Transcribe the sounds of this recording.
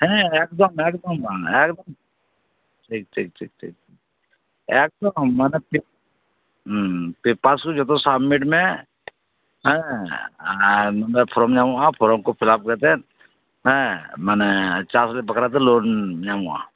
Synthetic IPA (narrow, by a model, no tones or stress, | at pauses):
ɦɛ̃eːkd̪əmeːkd̪əmeːkd̪əm | ʈʰik̚ʈʰiːk̚ʈʰḭːk̚ʈʰḭːk̚i | eːk̚d̪əmmːɛːnepi | pipaːskod͡ʒət̪̬õsaːmiʈmẽ | ɦɛ̃ | mmepʰɾomɲaːmuãpʰɔɾomkopʰɪlaːp̚kɛt̪ẽ | ɦɛ̃mɛːnet͡ʃaːslepəkɾat̪̬ʰeloːnɲaːmua̰